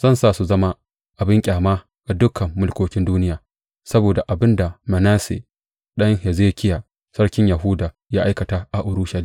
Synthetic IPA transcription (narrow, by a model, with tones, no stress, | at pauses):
z̥ɐ˦nsaː˦˨su˨zɐ˦ma˦ | ʔa˨bɪ˦ŋkʲʼaː˨maː˦ | ɡ̥a˨dʊ˦kʰɐ˨mːʊ˦lkʷoː˨˦kʲɪ˦nduː˦nɪ˦jaː˨ | sɐ˦boː˨da˨ʔa˨bɪ˦nda˨mɐ˨naː˦sḛ˨ | ɗɐ˦ŋhe˨zeː˦kʲɪ˦jaː˨ | sɐ˦ɽkʲɪ˦ɲja˨ɦʊ˦daː˨ | jaː˦ʔa˦jkɐ˨taː˦ʔa˨ʔʊ˨ɾʊ˦ʃɐ˨li˦